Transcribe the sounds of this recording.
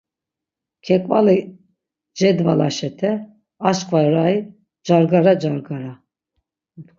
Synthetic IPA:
kʰɛkʼva̰li | d͡ʒɛd̪valaʃɛt̪ʰɛ | aʃkʼvaɾai | d͡ʒaɾɡaɾad͡ʒaɾɡaɾa

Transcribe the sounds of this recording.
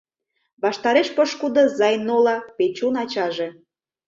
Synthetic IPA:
βɑʃt̪ɑɾeʃpəʃkud̪ɤ̆zɑjnolɑpet͡ɕunɑt͡ɕɑʒĕ

